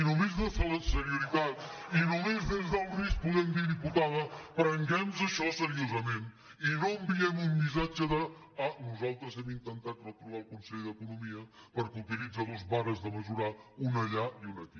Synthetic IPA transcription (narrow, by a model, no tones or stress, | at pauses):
inumezðəfeləsəɾiuɾit̪at̪inumezðezðəlˠris̚puðɛmd̪iðiput̪aðəpɾəŋɡɛmzəʃɔsəɾiozəmen | inoəmbiɛmumbizad͡ʒəðə | anuzalˠt̪ɾəzɛmint̪ənt̪at̪rət̪ɾuβalˠkunsɛʎðəkunumiə | pəɾkut̪ilid͡zaðozβaɾəzðəməʒuɾaunəʎaiunək̪i